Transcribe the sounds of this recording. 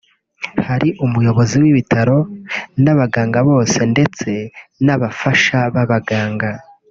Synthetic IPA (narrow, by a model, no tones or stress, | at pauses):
haɾiʔumujo̞βo̞ziwiβitʰaɾo̞naβaɡaːŋɡaβo̞ːse̞nde̞t͡se̞naβafaʃaβaβaɡaːŋɡa